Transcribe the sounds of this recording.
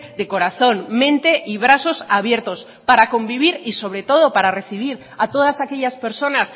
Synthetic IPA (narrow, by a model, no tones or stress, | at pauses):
ðe̞ko̞ɾaθo̞nmẽ̞nt̪e̞ʔiβɾaso̞saβje̞ɾt̪o̞s | paɾako̞mbiβ̞iɾiso̞βɾe̞t̪o̞ð̞o̞paɾare̞θiβ̞iɾ | at̪o̞ðasake̞ʎaspe̞ɾso̞nas